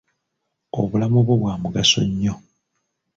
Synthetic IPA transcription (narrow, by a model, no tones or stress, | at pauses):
o̞̰βulamoβwoβwaːmuɡaso̞̰ɲːo